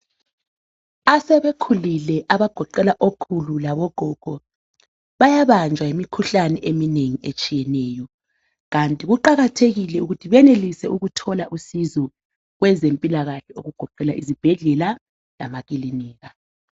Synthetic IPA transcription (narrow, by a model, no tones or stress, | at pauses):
asɛβekʰulilɛʔaβaɡ̥ʱɔǃɛlaʔokʰululaβɔɡ̥ʱɔɡ̥ʱɔ | βajaβand͡ʒʱwaimikʰuɬanɛʔemineŋiet͡ʃʼijɛnɛːjɔ | ɣantʼiɣuǃaɣatʰeɣilɛuɣutʰiβɛnelisɛuɣutʰɔlaʔusizɔ | ɣwɛzempʼilaɣaɬɛoɣuɡ̥ʱɔǃɛlaʔizib̥ʱɛɮɛla | la̰maɣiliniːɣa